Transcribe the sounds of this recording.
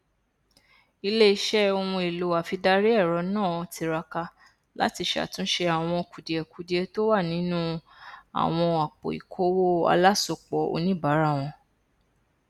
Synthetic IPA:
i˧le˦i˧˦ʃɛ˦o˧wũ˧i˨lo˨a˨fi˧da˧ɾi˦ɛ˦˨ɾɔ˨˦nãː˦˨˧ti˧ɾa˧ka˧ | la̰˦ti˧ʃa̰˨tũ˦ʃe˧a˨w̃ɔ̃˧ku˨di˨ɛ˨ku˨˦di˨ɛ˧to˦wa˦˨nĩ˨˦nũ˦a̰˨w̃ɔ̃˧a˨k͡po̰˨ḭ˨kʰo˨˦wo˦a̰˧la˦so˧k͡pɔ˨˦o̰˧nĩ˦˨ba˨˦ɾa˦˨w̃ɔ̃˧

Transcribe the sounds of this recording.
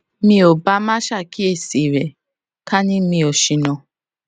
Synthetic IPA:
mi˦o˨ba˦ma˦ʃa˦˨kʰi˦e˦˨si˨ɾe˨ | ka˦ni˦mi˦o˨ʃi˨nɔ˨

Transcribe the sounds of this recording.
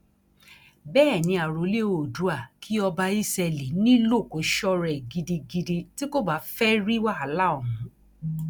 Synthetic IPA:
bɛː˦˨nĩ˧a˨ɾo˨˦le˦o˨du˨˦a˦˨kʰi˦ɔ˧ba˧i˦sɛ˧li˨˦nĩ˦lo˦˨ko˨˦ʃɔ˦ɾɛ˨ɡi˧di˧ɡi˧de˧ti˦ko˦ba˨˧˦fɛ˦ɾi˦wa˦a˨˦la˦ɔ˦˨mũ˨˦

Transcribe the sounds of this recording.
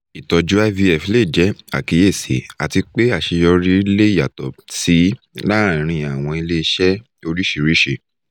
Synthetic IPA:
i˨tɔ˨d͡ʒu˦a˦vi˧˦ɛ˦˨fi˨˧le˦˨d͡ʒɛ˨˦a̰˨ki˨˧je˦˨sḛ˨˦a˨ti˧k͡pe˦a˦˨ʃe˧jɔ˧ɾi˦˧˦le˦i˦˨ja˨tɔ̰˨si˨˦ | lã˦˨˧ɾ̃ĩ˧jã˨a˨w̃ɔ̃˧i˧le˦i˧ʃɛ˦ | o˧ɾi˦ʃi˨ɾi˦ʃe˧˨

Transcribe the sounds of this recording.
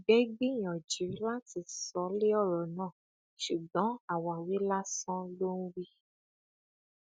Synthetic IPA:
ɡ͡bɛ˦ɡ͡be˦j̃ɔ̃˨d͡ʒi˨˦la˦ti˨sɔ˨˦le˦ɔ˦˨ɾɔ˨nãː˦˨ | ʃu˨ɡ͡bɔ̃˨˦a˨wa˨wi˨˦la˦sɔ̃˦lo˦ñ̩˦wi˦

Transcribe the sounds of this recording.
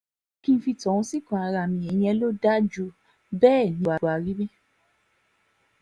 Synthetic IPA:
kĩ˧˦fi˧tɔ̃˨ũ˦si˦˨kã˨a˧ɾa˧˨mĩ˧˨ɛ˨j̃ɛ˧˦lo˦da˦d͡ʒu˧˦ | bɛː˦˨nĩ˧wa˨a˨ɾi˦bi˦

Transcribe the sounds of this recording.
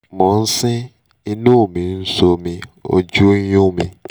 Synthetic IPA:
mɔ̃˨n̩˦sĩ˦ | i˧nũ˦˨mĩ˨n̩˦so˧mĩ˧o̰˧d͡ʒu˦jũ˦˨mĩ˧

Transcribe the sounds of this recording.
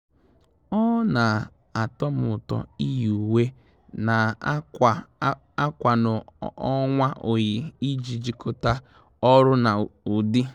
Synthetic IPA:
ɔ˦na˨ | a˨tɔ˦mʊ˨ʊ˨tɔ̰˨i˦juu˨we˦ | na˨ | a˦kʷa˨nʊ˨ɔ˦ŋʷa˦ʔo˨ji˨i˦d͡ʒi˨d͡ʒi˨kʰo˦ta˦ | ɔ˦ɾʊ˦na˨u˨dɪ˦

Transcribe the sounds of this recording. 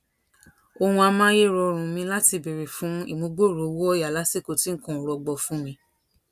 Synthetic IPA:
o˧hũ˧a˧mã˦je˦˨ɾɔ˧ɾ̃ũ˨mĩ˧la˦ti˧be˨ɾe˨fũ˨˦ḭ˦˨mõ˧˦ɡ͡bo˦˨ɾo˨˦wo˦ɔ˦ja˨la˨˦se˦˨ko˨˧tĩ˦ŋ̩˦kɔ̃˨ɾɔ˧ɡ͡bɔ˧˨fũ˦mĩ˧

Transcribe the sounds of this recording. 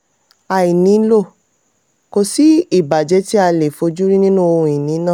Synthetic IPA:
a˨i˨nĩ˨˦lo˦˨ | ko˧si˨˦i˦˨ba˨d͡ʒɛ˨˧˦ti˦a˧le˨fo˧˦d͡ʒu˦ɾi˦nĩ˦nũ˦o˧ũ˧i˨nĩ˨˦nãː˦˨

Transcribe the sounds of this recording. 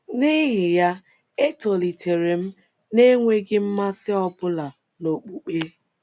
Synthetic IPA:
ni˦ɦɪ˨ja˦ | e˦to˨li˨tʰe˨ɾe˨m̩˦ | ne˦ŋʷe˦ɡɪ˦m̩˦ma˦sɪ˦ɔ˦bʊ˦la˨ | no˨k͡pu˨k͡pe˦

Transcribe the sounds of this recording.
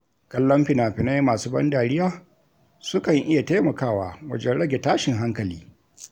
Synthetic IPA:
kɐ˦lːɐ˦mɸɪ˨naː˨ɸɪ˨na˦jmaː˨suː˦bɐ̰˦ndaː˨ɽɪ˦jaː˦ | sʊ˦kɐ˨ŋʔɪ˦ja˨ta˦mɐ˨kaː˦˨waː˨wɐ̰˦d͡ʒɛ˦nɽɐ˦ɡʲe˨taː˦ʃɪ˨ŋɦa˦ŋkɐ˨liː˦

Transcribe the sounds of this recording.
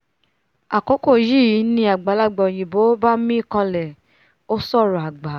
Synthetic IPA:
a˨ko˨˦ko˦˨ji˦˨ji˨˦nĩ˧˦a˨ɡ͡ba˨˦la˦˨ɡ͡bɔ˨j̃ĩ˨bo˨˦ba˦mĩ˦i˦˨kã˧lɛ˨ | o˦sɔ˦˨ɾɔ˨a˨ɡ͡ba˨˦

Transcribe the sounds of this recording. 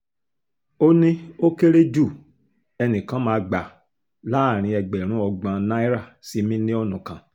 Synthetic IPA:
o˦nĩ˦o˦ke˦ɾe˦d͡ʒu˦˨ | ɛ˧nĩ˨kã˨˦mãː˧ɡ͡ba˨ | la˦˨ɾ̃ĩ˧ɛ˧ɡ͡bɛ˨ɾ̃ũ˨˦ɔ˧ɡ͡bã˧nã˦i˦ɾa˦˨si˨˧mĩ˦nĩ˦ɔ˧nũ˨kã˨

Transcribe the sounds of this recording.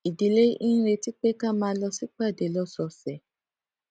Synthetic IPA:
i˨di˨˦le˦ĩ˦ɾe˧ti˦k͡pe˦kã˦˨mãː˨˦lɔ˧si˦k͡pa˦˨de˨lɔ˦sɔ˧sɛ˨

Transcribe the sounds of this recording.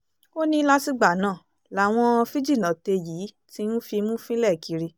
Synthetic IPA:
o˦nĩ˧˦la˦si˦ɡ͡ba˨nãː˦˨ | la˨w̃ɔ̃˧fi˦d͡ʒi˦˨nã˨te˧jiː˨˦ | ti˦nũ˦fi˧mũ˦fĩ˦lɛ˦˨ki˨˧ɾi˧

